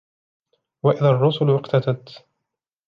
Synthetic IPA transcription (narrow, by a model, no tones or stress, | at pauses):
waʔɪðarˤːʊsʊlʔɪqt̪at̪at̪